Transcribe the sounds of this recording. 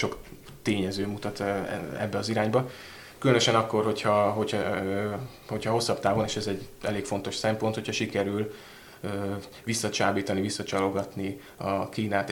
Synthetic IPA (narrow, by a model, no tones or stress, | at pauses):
ʃo̞k | t̪eːɲɛzøːmut̪ɒt̪ɛ̰bːɛɒziɾaːɲbɒ | kylønøʃɛnɒkːo̞rho̞chɒɦo̞cø | ho̞chɒho̞sːɒbt̪aːvoneːʃɛzɛɟɛleːkfo̞nt̪o̞ʃsɛmpo̞nt̪ho̞cʰhɒʃikɛɾyl | øː | ʋisːɒt͡ʃaːbiːt̪ɒnivisːɒt͡ʃɒlo̞ɡɒt̪ni | ɒkiːnaːt̪